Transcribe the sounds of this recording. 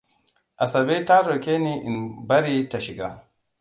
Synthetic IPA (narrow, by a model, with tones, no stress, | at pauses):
ʔa˨sɐ˨be˦ta˦ɾo˨kʲe˦ne˦ʔɪ˨nbɐ˦ɾiː˦ta˨ʃɪ˨ɡa˦